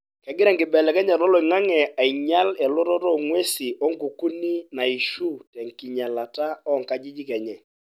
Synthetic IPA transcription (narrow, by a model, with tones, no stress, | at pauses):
kɛ˨ɡɪ˦ɾɛ˦˨ŋkɪ˨bɛ˨lɛ˨kɛ˦ɲa˨ɔ˦lɔ˨i˨ŋa˦ŋɛ˨a˨i˨ɲa˦lɛ˨lɔ˦ɾɔ˦tɔ˦ŋwe˦si˨ʔɔ˦ŋku˨ku˦ni˦na˨i˨ʃu˦tɛ˨ŋki˨ɲa˨la˨ta˦ɔ˦˨ŋka˦d͡ʒi˦d͡ʒi˦kɛ˨ɲɛ˨